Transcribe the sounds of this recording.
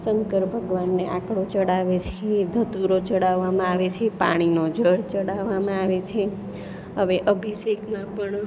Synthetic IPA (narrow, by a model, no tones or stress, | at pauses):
səŋkəɾbʱəɡʋanːeʔãkɽot͡ʃəɽaʋet͡ʃʰed̪ʱət̪uɾot͡ʃəɽaʋːamãaʋet͡ʃʰepa̰ɽ̃inod͡ʒʱəɽt͡ʃəɽaʋːamãaʋet͡ʃʰe | ɦəʋeʔəbʱiʃekmãpəɳ